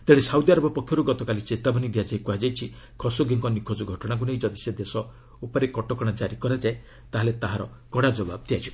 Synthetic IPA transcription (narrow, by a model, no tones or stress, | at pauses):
t̪eɽesawd̪iaɾɔbɔpɔkʰjɔɾuɡɔt̪ɔkalit͡ʃet̪abɔnid̪iad͡ʒaikuɦad͡ʒajt͡ʃʰi | kʰɔsoɡeŋkɔnikʰod͡ʒɔɡʱɔʈɔɽ̃ak̬uneĩd͡ʒɔd̪ised̪esɔ | upɔɾekɔʈɔkɔɽ̃ad͡ʒaɾikɔɾed͡ʒae | t̪aɦalet̪aɦaɾɔ̰ | kɔɽad͡ʒɔba̰b̚d̪iajt͡ʃʰi